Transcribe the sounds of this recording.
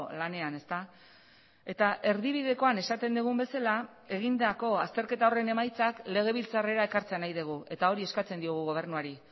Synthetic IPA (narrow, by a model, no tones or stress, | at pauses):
lane̞ane̞st̪a | e̞t̪aʔe̞ɾðiβ̞iðe̞ko̞ane̞sat̪e̞nd̪eɣ̞umbe̞salae̞ɣ̞ind̪ako̞ast̪e̞ɾke̞t̪aore̞ne̞majt͡sakle̞ɣ̞e̞βilt͡sare̞ɾae̞kaɾt͡se̞anajðeɣ̞ue̞t̪ao̞ɾie̞skat͡se̞nd̪io̞ɣ̞uɣ̞o̞β̞e̞rnuaɾi